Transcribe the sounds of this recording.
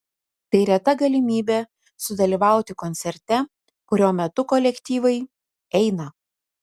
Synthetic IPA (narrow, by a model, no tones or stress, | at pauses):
t̪ɐɪɾʲɛt̪ɐɡɐlʲɪmʲiːbʲɛ | sʊd̪ɐlʲiːʋɑˑʊt̪ʲɪkɔnʲt̪sʲɛɾʲt̪ʲɛ | kʊɾʲoːmʲɛt̪ʊkɔlʲɛkʲt̪ʲiːʋɐɪ | ɛɪnɐ